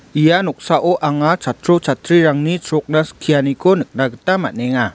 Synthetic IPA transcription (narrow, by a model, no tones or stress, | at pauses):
ijanɔk̚saʔoʔaŋat͡ʃat̪ɾot͡ʃat̪ɾiɾaŋnit͡ʃɾɔk̚nasə̥kʰijanikonək̚naɡətama̰nɛŋa